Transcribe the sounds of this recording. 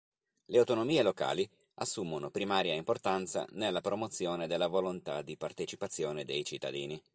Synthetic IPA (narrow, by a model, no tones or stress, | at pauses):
leawt̪onomiːeloka̰ːli | asːumonopɾimaːɾjaimport̪ant̪sa̰nelːapɾomot̪sːjoːned̪elːavolont̪a̰d̪ipart̪et͡ʃipat̪sːjoːned̪ejt͡ʃit̪ːa̰d̪iːni